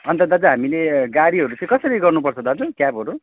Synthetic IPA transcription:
ʌnt̪ʌd̪ʌd͡zaɦamileɡaɽiɦʌɾut͡sʌ̃ĩkʌsʌɾiɡʌrnupʌrt͡sʰʌd̪ad͡zokjabɦʌɾu

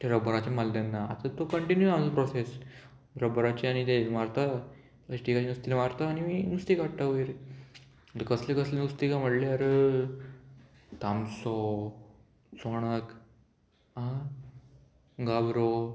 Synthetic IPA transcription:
t̪eɾəbəɾat͡ɕemald̪anːaa̰t̪at̪okəɳʈinjuamd͡zəpɾɔses | ɾəbəɾat͡ɕiañit̪eʋaɾt̪a | ət͡ɕiʈikat͡ɕinust̪ilʋaɾt̪aːñiminust̪ikaʈaʋiɾ | t̪kəslekəslenust̪ikam̤əʈleaɾə | t̪amsɔ | soɽ̃ək | ã | ɡabɾo

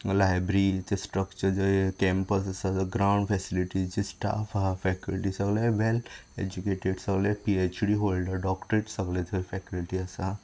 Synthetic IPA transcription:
lajbɾit̪esʈɾəkt͡ʃəɾd͡ʒəkɛ̃mpəs̬ɐsaɡɾaw̃ɳɖfʰɛsiliʈizd͡ʒisʈa̰fafɛkilʈisəɡleʋeled͡ʒukeʈeɖsəɡlepiet͡ʃɽiɦolɖəɾɖɔkʈɾeʈsəɡlet̪ʰoifʰɛkəlʈiəsa

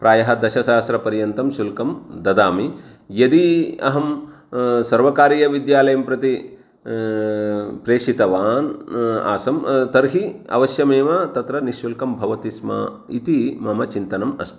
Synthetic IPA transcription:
pɾaːjɐɦɐ̆d̪ɐʃɐʃaːst̪ɾɐpɐɾjɐnt̪ɐmʃulkɐmd̪ɐd̪aːmi | jɐd̪iɐ̰ɦɐm | sɐɾʋɐkaːɾijɐʋid̪jaːlɐjɐmpɾɐt̪i | pɾeːʂit̪ɐʋaːna̰ːsɐmt̪ɐɾɦiɐ̰ʋɐʃjɐmeːʋɐt̪ɐt̪ɾɐniʃulkɐmbʱɐʋɐt̪ismɐ̰ | it̪imɐmɐt͡ʃint̪ɐnɐmɐ̰st̪ʰi̥

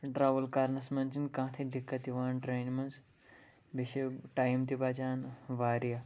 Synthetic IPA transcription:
ʈɾaːʋəlkaɾnɐsmɐnt͡ʃinkãːt̪ʰid̪ʱikːɐt̪iʋaːnʈɾejnmɐns | biʃeʈaːjmt̪̬ibat͡ʃaːnʋaːɾija

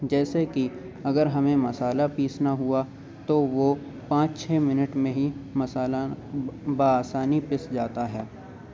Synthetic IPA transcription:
d͡ʒɛːseki | ɐɡəɾɦɐmẽmɐsaːlapiːsnaɦua | t̪oʋo | pãːt͡ʃt͡ʃʰɛːmɪnəʈmẽɦimɐsaːla | baaːsaːnipɪsd͡ʒaːt̪aɦɛː

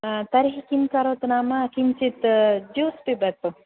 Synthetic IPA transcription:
t̪ɐɾɦikimkaɾot̪namakimt͡ʃit̪d͡ʒospebɐt̪o

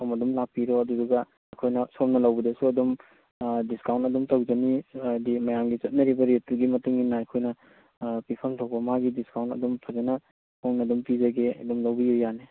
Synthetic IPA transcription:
omɐdumlak̚piɾoɐdudɐɡɐ | ɐjkʰojnɐsomnɐlɐwbɐdɐsuɐdum | diskawntɐdumtɐwd͡ʒɐnidimɐjaŋɡit͡ʃɐt̚nɐɾibɐɾetuɡimɐtuŋinaɐjkʰojnɐ | pipʰɐmtʰok̚bɐmaɡidiskawntɐ̰dumpʰɐzenɐ | hoŋnɐdumpizɐɡeɐ̰dumlɐwbijojːane

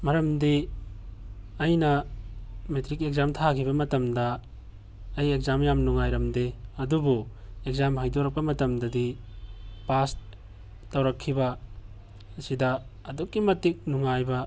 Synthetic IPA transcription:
mɐɾɐmdi | ɐjnɐ | metɾikek̚zamtʰakʰibɐmɐtɐmdɐː | jek̚zamjamnuŋajɾɐmdeɐdubuek̚zamɦajdoɾɐk̚pɐmɐtɐmdɐdi | pas | tɐwɾɐkʰːibɐ | ɐsidɐː | dukːimɐtik̚nuŋajbɐ

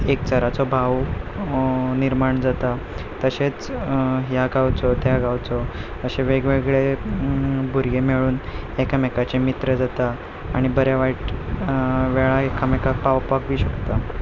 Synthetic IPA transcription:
ekt͡ɕəɾat͡sɔbʱaw | niɾmaɳd͡zat̪a | t̪əɕet͡sɦjaɡawt͡sɔt̪jaɡawt͡sɔ | əɕeʋeɡʋeɡɭe | bʱuɾɡemeɭuːnekamekat͡ɕemit̪ɾəd͡zat̪aː | ɽ̃ibəɾjaʋaʈ | ʋeɭaekʰamekapawpakʋiːɕəkt̪a

